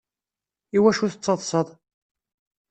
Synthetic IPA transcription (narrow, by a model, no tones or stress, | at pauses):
iwæʃuθət͡sːɑðˤsˤəðˤ